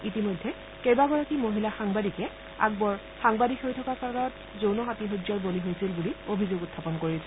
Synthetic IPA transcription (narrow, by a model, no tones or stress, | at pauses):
itimojdʱːɛ | kejbaɡɔɹakimoɦilaxaŋbadikɛ | a̰ɡ̚bɔɹ | xaŋbadikʰxoɹjtʰɔkakaɹɔnɔt | zownɔxatiɦod͡ʒɔɹboliɦojsilbuliobʱizoɡʊtʰːapɔnkoɹisɛ